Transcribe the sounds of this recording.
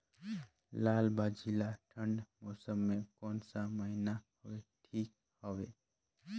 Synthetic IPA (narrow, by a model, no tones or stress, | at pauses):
laːlbaːd͡ʒilaʈʰə̃ɳɖmoːsəmːẽkɔːnsaməɦinaɦəweʈʰiːk̚ | həwe